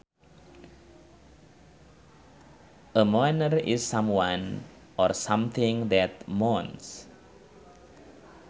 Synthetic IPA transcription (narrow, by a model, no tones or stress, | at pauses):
ʔəmɔjnərɪ̰sːãmwãn | ɔrsãmθɪ̃ŋðɛt̪̚mɔns